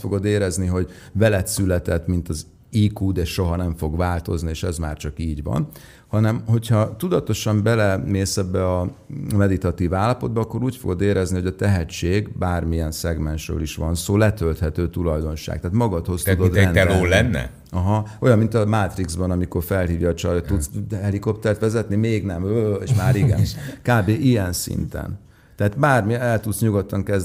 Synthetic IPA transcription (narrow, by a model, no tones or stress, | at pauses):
fo̞ɡo̞d̪eːɾɛzniɦo̞ɟ | vɛlɛt̪sylɛt̪ɛt̪mint̪ɒz | iːkuːd̪eʃʃo̞ɦɒnɛɱfo̞ɡvaːlt̪o̞̰znieːʃɛzma̰ːrt͡ʃɒkiːɟʋɒ̰n | hɒnɛmho̞chɒt̪ud̪ɒt̪o̞ʃɒmbɛlɛneːsɛbːɛɒmɛd̪it̪ɒt̪iːvaːlːɒpo̞d̪̚bɒːkːo̞ɾuːcfo̞̰ɡo̞d̪eːɾɛzniho̞ɟɒt̪ɛɦɛt͡ʃːeːɡbaːrmijɛnsɛɡmɛnʃrø̰ːliʃʋɒnsoːlɛt̪ølt̪hɛt̪øːt̪ulɒjd̪o̞nʃa̰ːk̚t̪ɛːt̪mɒɡɒt̪ho̞st̪ud̪od̪ɛnɛloːlɛnːɛ̰ | ɒɦɒo̞jɒmːint̪ɒmaːt̪riɡzbɒnɒmiko̞rfɛlɦiːvjɒːt͡ʃɒjt̪ːut̪sɛliko̞p̚t̪ɛrt̪ʋɛzɛt̪nimeːɡnɛmøeːʃmaːɾiɡɛ̰nkaːbeːʔijɛnsḭnt̪ɛ̰n | t̪ɛɦat̪baːrmiɛlt̪ut̪sɲuɡot̪ːɒŋkɛz